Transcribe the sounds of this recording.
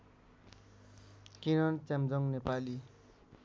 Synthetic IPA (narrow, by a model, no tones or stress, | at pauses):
kinʌnt͡samd͡zʌŋnepali